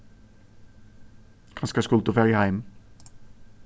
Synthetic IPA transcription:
kʰɑnskɑskɔlt̪ʊfæʁjəhæɪm

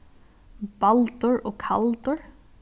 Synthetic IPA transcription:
b̥alt̪ʊɹɔːkʰa̰lt̪ʊɹ

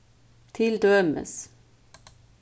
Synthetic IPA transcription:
t̪ʰɪld̪œmə̰s

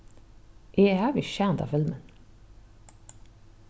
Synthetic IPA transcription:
ʔeːhæːʋɪʃænt̪ɑ̰ːfɪlmən

